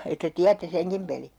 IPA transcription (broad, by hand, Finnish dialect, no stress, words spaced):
etːæ tiætːe seŋkim peli